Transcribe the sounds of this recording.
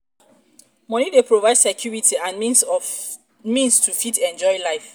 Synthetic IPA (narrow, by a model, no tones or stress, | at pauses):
mɔ̃nidepʰɹovaɪdsɛkʰjuɹitʰiãn | mĩnstʰufitɛ̃nd͡ʒɔɪlaɪf